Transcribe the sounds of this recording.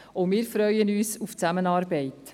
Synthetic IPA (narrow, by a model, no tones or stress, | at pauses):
omɪːɾfɾœʏənyːsuft͡sæmənɑːɾbɛɪt